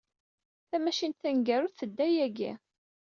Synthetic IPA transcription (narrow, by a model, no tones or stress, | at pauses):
θæmæʃint̪θæŋɡæɾʊθəd̪ːæjæɡḭ